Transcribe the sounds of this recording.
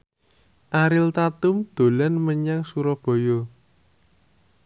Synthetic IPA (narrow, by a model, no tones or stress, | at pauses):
ʔaɾɪlt̪at̪ʊmd̪̥o̤lanməɲaŋsuɾɔb̥o̤jo